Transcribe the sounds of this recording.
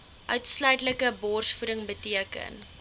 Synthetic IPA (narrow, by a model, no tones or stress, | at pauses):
ʔœɥtslœɥtləkəbɔrsfuɾəŋbətiəkə̰n